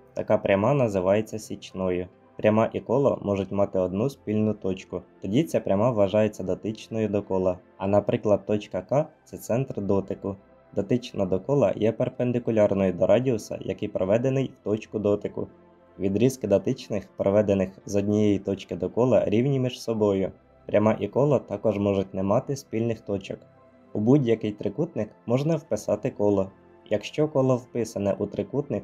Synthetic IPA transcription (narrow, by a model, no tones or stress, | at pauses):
t̪ɐ̰kɑpɾʲʔɐmɑnɐzɪʋɑje̞t͡sʲːɐsʲit͡ʃnɔjʊ | pɾʲɐmɑʔikɔlˠɐ̰mɔʐʊtʲmɑt̪ɪɔd̪nuspʲilʲnʊt̪ɔt͡ʃkʊt̪ɔdʲit͡sʲɐpɾʲɐmɑʋʋɐʒɑjet͡sʲːɐd̪ɐt̪ɪt͡ʃnɔjʊd̪ɔkɔlˠɐ | ɐnɐpɾɪklˠɐd̪̚t̪ːɔt͡ʃkɐkɑt̪sɛt̪sɛnt̪rd̪ɔt̪ɪkʊ | d̪ɐt̪ɪt͡ʃnɐd̪ɔkɔlˠɐ̰jɛperpend̪ɪkʊlʲɑrnɔjʊd̪ɔɾʔɑdʲiɔsɐ̰jɐ̰kɪjpɾɔʋɛd̪e̞nɪjwt̪ɔt͡ʃkʊd̪ɔt̪ɪkʊ̰ | ʋʲid̪ɾʲiskɪd̪ɐt̪ɪt͡ʃnɪxpɾɔʋɛd̪e̞nɪxzɔdʲnʲijɛjit̪ɔt͡ʃkɪd̪ɔkɔlˠɐ̰ɾʲiwnʲimʲiʒsɔbɔjʊ | pɾʲʔɐmɑʔikɔlˠɐt̪ɑkɔʒmɔʒʊtʲnɛmɑt̪ɪspʲilʲnɪxt̪ɔt͡ʃɔk | ubudʲjɐkɪjt̪ɾɪkut̪nɪkmɔʒnɐwpɪsɑt̪ɪkɔlˠɔ | jɐkʃt͡ʃɔkɔlˠɔwpɪsɐnɛ̰ʔut̪ɾɪkut̪nɪk